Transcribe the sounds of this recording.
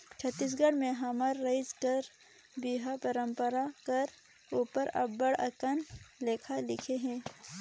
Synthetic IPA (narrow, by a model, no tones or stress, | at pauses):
t͡ʃʰɐt̪ːiːs̬ɡəɽmẽɦɐmaɾːɐɪd͡ʒkɐɾ | biɦapɐɾə̃mpəɾakɐɾ | uːpəɾɐ̰bəɽɐ̰kənleːkʰalɪkʰeɦɛ̃ː